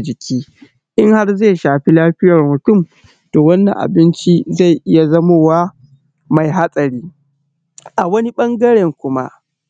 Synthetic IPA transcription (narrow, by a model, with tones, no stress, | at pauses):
d͡ʒɪ˨kʲʰiː˦ | ʔɪ˦ŋha˦rze˦˨ʃaː˨ɸi˦laː˦ɸɪ˦jɐ˨rmʊ˨tʊ˦˨m | do˨wɐ˦nːɐ˨ŋʔa̰˨bɪ˦nt͡ʃi˦za˦˨jʔɪ˦ja˨zɐ˦moː˦˨waː˦ | ma˨jɦa˦sʼɐ˨ɾiː˦ | ʔa˨wɐ˦ni˦ɓɐ˦ŋɡɐ˦ɽɛ˨ŋkʷʊ˦ma̰˦ʔ